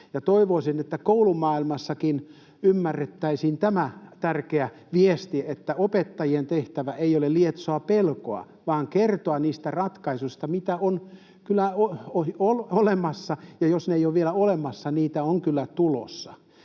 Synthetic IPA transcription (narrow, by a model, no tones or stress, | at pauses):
jɑt̪oiʋoisinet̪ːækoulumɑːilmɑsːɑkin | ymːærːet̪ːæisiːnt̪æmæt̪ærkeæ | ʋiest̪iet̪ːæopet̪ːɑjient̪eht̪æʋæʔeiolelliet̪soɑpelko̰ɑ̰ | ʋɑːŋkert̪oɑniːst̪ærɑt̪kɑisust̪ɑmit̪æon | kylːˑæooololemɑsːɑjɑjosneijoʋʋielæolemɑsːɑniːt̪æoŋkylːæt̪ulo̰sːɑ